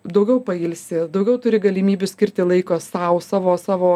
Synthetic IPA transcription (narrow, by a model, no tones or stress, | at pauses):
d̪ɐʊɡʲɛʊpɐɪːlʲsʲɪd̪ɐʊɡʲɛʊt̪ʊɾʲɪɡɐlʲimʲiːbʲʊsʲkʲɪɾʲt̪ʲɪlˠɐɪkoːsɑːʊsɑːʋoːsɑːʋoː